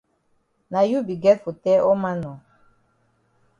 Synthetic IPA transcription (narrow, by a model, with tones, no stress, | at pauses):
na˨ju˦bi˨ɡɛ˦tfo˨tɛ˦ʔɔ˦mã˦nɔ̃˨